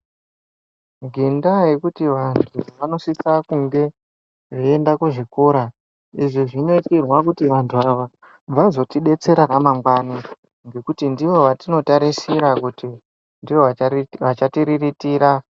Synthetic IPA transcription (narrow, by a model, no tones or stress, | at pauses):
ɡʱendajekutiʋantʰuʋano̞sisakuŋɡe̞ | ʐeendakuʐikoɾa | iʐoʐino̞itirwakutiʋantʰuaʋa | b͡vazo̞tiɗe̞t͡se̞ɾaramaŋɡwani | ŋɡe̞kutindiʋo̞ʋatino̞taɾisiɾakuti | ndioʋat͡ʃatiɾiritiːɾa